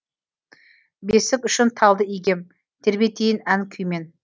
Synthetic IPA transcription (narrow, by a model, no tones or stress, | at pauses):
besɪkʏʃɪnt̪ʰɑlˠd̪əijɡʲe̞m | t̪ʰe̞ɾbet̪ʰejɪnæŋkʲʰʏjme̞n